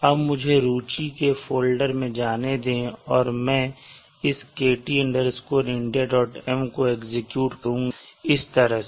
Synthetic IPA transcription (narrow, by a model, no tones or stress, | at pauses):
ɐbmʊd͡ʒʱeɾuːt͡ʃikefoːlɖəɾmẽd͡ʒaːned̪ẽːɔːɾmɛ̃ː | ɪskeːʈiɪ̃ɳɖəɾskoɾɪ̃ɳɖijaɖɔːʈɛmkoeːkzɪkjuːʈkəɾũːɪst̪ɐɾəɦ